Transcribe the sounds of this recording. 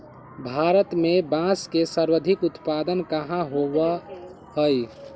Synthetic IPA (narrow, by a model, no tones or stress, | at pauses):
bʱaɾət̪mebãskesəɾwəd̪ʱikʊt̪pad̪ənkəɦãɦowə | həj